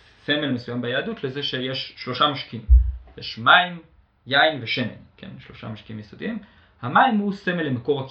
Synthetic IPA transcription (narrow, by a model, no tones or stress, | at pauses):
se̞melmesujambejaːdutle̞ze̞ʃe̞jeʃːlo̞ʃamaʃkiimjeʃmaim | jaimveʃemḛnkḛnʃlo̞ʃa̰maʃkiimjesod̪im | hamaimhuse̞me̞lːemako̞ʁhak